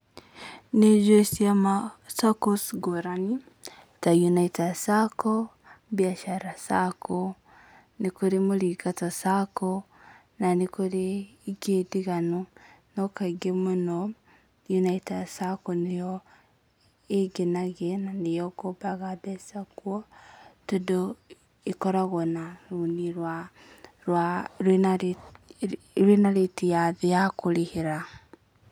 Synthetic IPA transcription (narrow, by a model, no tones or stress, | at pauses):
nezesiamasakosɡoɾani | tajunaitasako | bjaʃaɾasakʰo | nikoɾemulikatosako | nanikoɾeɡediɣanonokaɡemuno | junaitasakonejɔ | eɡenaɣenanejɔkobaɣadɛsakwɔtodo | ekɔɾaɣɔnaɾuniɾwa | wa | ɾenaɾetijaðejakoɾeheɾa